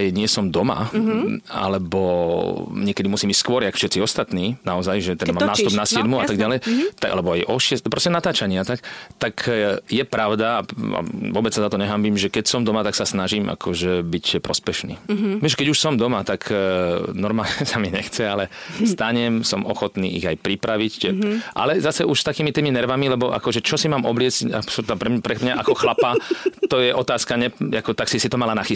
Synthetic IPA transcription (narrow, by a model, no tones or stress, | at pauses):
jɲɪɛsɔmd̪ɔma̰ | a̰lɛbɔ | ɲɪɛkɛd̪imusiːmicskʊɔɾjakfʃɛt̪t͡siɔst̪at̪niːnaɔzajʒɛt̪ɛd̪amammnaːst̪ubnasɪɛd̪muaaɡɟalɛjt̪aa̰lɛbɔajʔɔʃɪɛspɾɔscɛnat̪aːt͡ʃaɲɪat̪akt̪akjɛpɾaʊd̪aːa̰ʋɔbɛt͡ssazat̪ɔɲɛɦambiːmʒɛkɛcsɔmd̪ɔmat̪aksasnaʒiːmʔa̰kʰɔʒɛbicpɾɔspɛʃnḭːʋɛʒkɛɟuʃsɔmd̪ɔmat̪akʰ | nɔɾmaːlɲɛsamiɲɛxt͡sɛalɛst̪aɲɛmsɔmɔxɔt̪nḭːiɣajpɾipɾaʋicʔa̰lɛzasɛʔuʃst̪akiːmit̪iːminɛɾʋamilɛbɔʔa̰kɔʒɛt͡ʃɔsimaːmʔɔblɪɛt͡sca̰sapɾɛpɾɛmɲaʔakɔxlapat̪ɔjɛʔɔt̪aːskaɲɛakɔt̪aksisit̪ɔmalanaxi